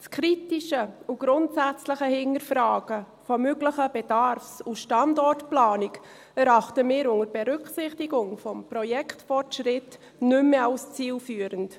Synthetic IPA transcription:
skʰɾitiʃəuɡ̥ɾʊntsæt͡sləχəhɪŋəɾfɾɑːɡ̥ə | fɔmøɡləχəbɛdɑɾfsuʃtɑndɔrtplɑːnik | ɛɾɑχtəmɪːɾʊŋəɾb̥ɛɾʏksɪχtiɡʊŋfɔmprɔjɛkʰtfɔrtʃrɪt | nʏmːəalst͡siːlfyːəɾənt

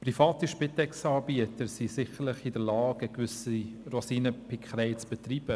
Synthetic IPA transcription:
prifɑːtiʃpɪtɛksɑːɾbiətəɾsisɪxəɾlɪχɪdəlɑːɡəkvʏsirosiːnəpʰikχəɾɛɪt͡sb̥ɛtriːb̥ə

